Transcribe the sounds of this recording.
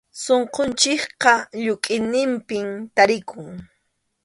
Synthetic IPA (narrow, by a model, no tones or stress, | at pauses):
soɴqont͡ʃɪkqɑʎʊkʼɪnɪmpɪmt̪aɾɪkʊŋ